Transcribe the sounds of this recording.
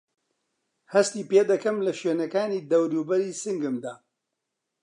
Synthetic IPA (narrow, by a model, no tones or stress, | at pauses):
hɐst̪iːpeːd̪ɐkɐmlɐʃweːnɐkaːniːd̪ɐwɾuːbɐɾiːsɨŋɡɨmd̪aː